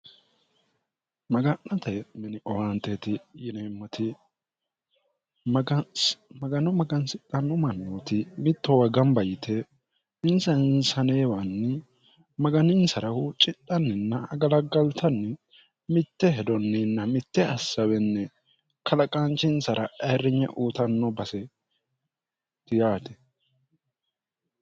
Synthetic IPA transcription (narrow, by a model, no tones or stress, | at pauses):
mɐɡɐnːɐt̪ɐmɛnɪʔɔwaːnt̪ɛt̪ɪjɪnemːɔt̪ɪ | mɐɡɐnɔmɐɡɐnsɪt̪ʼːɐnːɔmɐnːot̪ɪmɪt̪ːɔwɐɡɐmbɐjɪt̪ʰɛ | ɪnsɐnsɐneːwɐnːɛ | mɐɡɐnɪnsɐɾɐhʊt͡ʃʼɪt̪ʼːɐnːɪnːɐɐɡɐlɐɡɐlt̪ʰɐnːɛ | mɪt̪ːɛɦɛd̪ɔnːɪnːɐmɪt̪ːɛɐsːɐwɛnːɛ | kʰɐlɐkʼaːnt͡ʃːɪnsɐɾʔɐɐjɾːɪɲɛ̰ʔuːt̪ɐnːɔbɐsɛ | t̪ɪjaːt̪ɛ̥